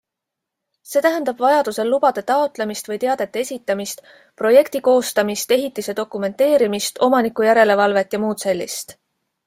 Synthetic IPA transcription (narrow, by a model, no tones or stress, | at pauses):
se̞ːt̪æɦænd̪̥ɑb̥vɑjɑd̪̥use̞lːub̥ɑd̪̥e̞t̪ɑot̪ˑle̞mist̪vɤjt̪e̞ɑd̪̥e̞t̪ːˑeesʲit̪ːˑɑmist̪ | pro̞je̞kt̪iko̞ːst̪ɑmist̪e̞ɦit̪ˑːise̞d̪̥o̞kˑume̞nt̪ːe̞ːɾimist̪o̞mɑnikːˑujæɾe̞le̞vɑlve̞t̪ːˑjɑmuːt̪se̞lʲːḭst̪